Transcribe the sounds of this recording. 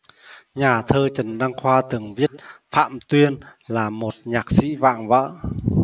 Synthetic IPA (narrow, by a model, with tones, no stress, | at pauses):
ɲaː˨˩t̪ʰəː˧t͡ɕə˨˩nɗa˧ŋxwaː˧t̪ɨ˨˩ŋvi˦˥ət̚fa̰ː˧˨mt̪wi˧ənlaː˨˩mo˨˩t̚ɲaː˨˩k̚sḭ˧˥va̰ː˧˨ŋvə̰ː˧˥